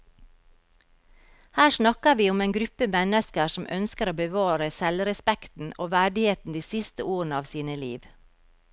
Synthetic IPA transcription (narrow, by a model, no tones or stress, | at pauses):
hæːʃnɑkəʋiːʊmeːŋɡɾʉpəmɛnəskəsm̩œnskəɾoːbəʋɑːɾəsɛlɾɛspɛkt̪n̩o̰ːʋæɖɪheːt̪n̩d̪iːsɪst̪əʔoːɾənəɑːʋsiːnəlḭːʋ